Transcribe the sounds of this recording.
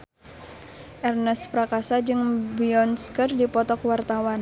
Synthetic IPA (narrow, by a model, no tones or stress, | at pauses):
ʔɛrnɛspɾakasad͡ʒɨŋbiɔnskərdipɔt̪ɔkwart̪awan